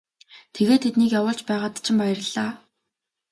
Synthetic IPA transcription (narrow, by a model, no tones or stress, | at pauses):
t̪ʰeɣeːt̪ʰet̪niːkjawʊːɮt͡ɕpæːʁaːt̪t͡ɕʰɪ̆mpajərɮ̥aː